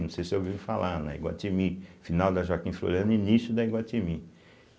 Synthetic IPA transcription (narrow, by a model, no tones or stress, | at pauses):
nɐ̃w̃sejsɪewvifalʔaɾnɐ̰ḭɡwa̰t̪imifinawd̪ɐʒɔkĩflo̰ɾiɐ̃nd̪inisjʊd̪ɐiɡwat̪imi